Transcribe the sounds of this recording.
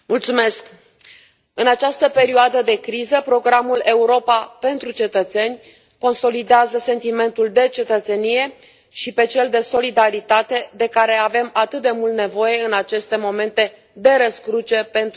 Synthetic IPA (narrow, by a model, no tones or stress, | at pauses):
mult̪sume̞sk | ɨnat͡ʃast̪əpe̞ɾioad̪əd̪e̞kɾizəpɾo̞ɡɾamule̞uɾo̞pape̞nt̪ɾut͡ʃe̞t̪ət̪se̞nʲ | ko̞nso̞lid̪eazəse̞nt̪ime̞nt̪uld̪e̞t͡ʃe̞t̪ət̪se̞nije̞ | ʃipe̞t͡ʃe̞ld̪e̞so̞lid̪aɾit̪at̪e̞d̪e̞kaɾe̞ave̞mat̪ɨt̪̚d̪e̞mult̪ne̞vo̞je̞ɨnat͡ʃe̞st̪e̞mo̞me̞nt̪e̞ | d̪e̞ɾəskɾut͡ʃe̞pe̞nt̪